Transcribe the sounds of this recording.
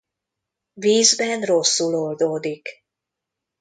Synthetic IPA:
viːzbɛnro̞sːulold̪oːd̪ik

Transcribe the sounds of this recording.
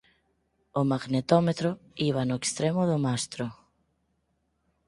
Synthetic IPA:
omaɣnet̪ɔmet̪ɾʊiβ̞anʊekst̪ɾemʊðʊmast̪ɾo

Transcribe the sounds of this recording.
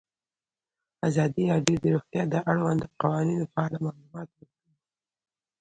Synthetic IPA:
azɑd̪ijɑɖed̪əɾoxt̪jɑd̪əʔaɽwand̪əqawɑninofaɑlamalumɑt̪wəɾkəi

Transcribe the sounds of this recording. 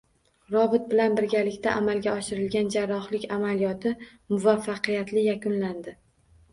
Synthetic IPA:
ɾɒbɪt̪̚bɪlanbɪɾɡʲalɪkʲt̪ʰaʔamalɡʲaɒʃɪɾɪlɡʲand͡ʒaɾːɒχlɪkʲamalijɒt̪ʰɪ | mʊvafːaqɨjat̪lɪjakʲʊnland̪ɪ

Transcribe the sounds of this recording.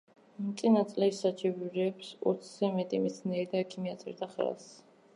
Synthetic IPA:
mt̪sʼinat̪sʼlɛsat͡ʃʰʼiviɾɛːpsɔ̰t̪sʰzɛmɛt̪ʼimɛt̪sʰnɛːɾid̪aɛkʰimiat̪sʼɛ̰ɾd̪aχɛ̰ls

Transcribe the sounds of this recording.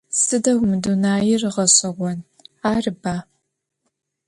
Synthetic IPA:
sɨdɐwmɨdunaːjɪrɨʁɐɕʼɐʁʷɔn | aːrɨbaː

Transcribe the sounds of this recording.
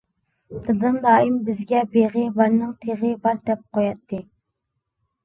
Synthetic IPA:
d̪ɨd̪ɨnd̪ɑːimbɪzɡʲɛbeʁɪbɑɾnɨŋt̪ʰeʁəbɑɾd̪ɛp̚qojɑt̪ʰːɨ

